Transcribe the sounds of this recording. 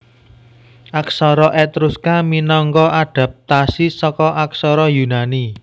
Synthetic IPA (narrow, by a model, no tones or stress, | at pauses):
ʔaksɔɾɔʔɛt̪ɾuskaminɔŋkɔʔaɖ̥ä̤p̚t̪asisɔkɔʔaksɔɾɔjunani